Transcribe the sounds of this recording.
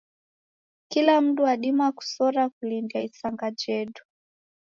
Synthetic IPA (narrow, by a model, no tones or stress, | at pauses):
kilam̩duwaɗimaku̥sɔɾakulindiaisaŋɡad͡ʒɛɗu̥